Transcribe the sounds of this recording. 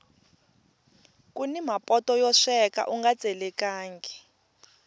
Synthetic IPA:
kʼunimapʼɔtʼɔjɔʂɛka̰ʔuŋɡḁt͡sʼɛlɛkaːŋɡɛ

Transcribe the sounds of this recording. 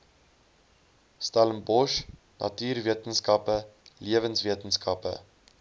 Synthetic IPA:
stæləmbɔʃ | nɐ̰tyːrviətənskɐpəliəvənsviətənskɐpə̰

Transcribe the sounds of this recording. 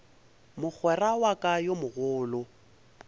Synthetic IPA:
mʊk͡xʰwɛrawakʼajomʊɣʊːlʊ

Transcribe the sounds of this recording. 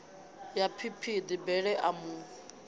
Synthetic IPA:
japʰipʰid̪ibɛɺɛʔamu

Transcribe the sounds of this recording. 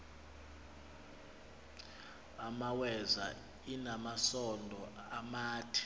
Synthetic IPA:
amawɛza | inamasɔndʱɔamaːtʰi̥

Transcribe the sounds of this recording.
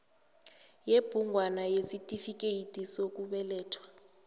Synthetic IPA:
jeb̥ʱuŋʱwanajesitʼifik̬ʼejitʼisok̬ʼuɓɛlɛːtʰwḁ

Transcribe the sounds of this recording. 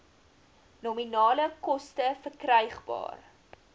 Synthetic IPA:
nominɑːləkɔstəfərkrəjχbɑ̰ːr

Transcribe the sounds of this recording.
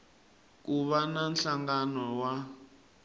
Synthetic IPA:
k̬uβananɬaŋɡanɔwa

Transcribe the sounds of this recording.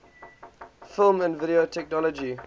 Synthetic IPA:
fɪlˠmə̃nvɪɾiotʰɛk̚nɔlɔd͡ʒi

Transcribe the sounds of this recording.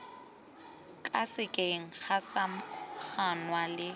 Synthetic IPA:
kʼasɪkʼeŋ̩k͡xʰasak͡xʰanwalɪ

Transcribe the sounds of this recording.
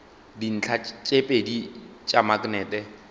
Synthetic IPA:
din̩t͡ɬʰat͡ʃʼepʼedit͡ʃʼamaɡnɛːtʼɛ

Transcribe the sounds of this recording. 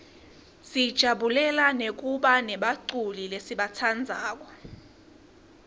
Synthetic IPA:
sid̥ʒ̥ʱaɓulɛlanek̬ʼuɓanɛɓaǀulilesiɓatʰand͡zʱaːk̬ɔ

